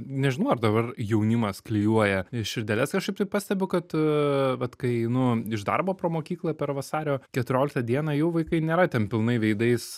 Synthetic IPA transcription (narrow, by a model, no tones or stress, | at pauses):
nʲɛʒʲɪnɐʊɐrd̪ɐbɐrjɛʊnʲɪmɐsklʲɪjuɔjɛɪʃʲɪɾʲd̪ʲɛlʲɛskɐʃkɐɪpt̪ɐɪpɑːsʲt̪ʲɛbʲʊkɐt̪ʋɐt̪kɐɪnʊɪʒd̪ɐ̰ɾboːpɾoːmoːkʲiːklˠɐpʲɛɾʋɐsɑːɾʲoːkʲɛt̪ʊɾʲoːlʲɪkt̪ɐd̪ʲiɛnɐːjɛʊʋɐɪkɐɪnʲeːɾɐt̪ʲɛnpʲɪlˠnɐɪʋʲɛɪd̪ɐɪs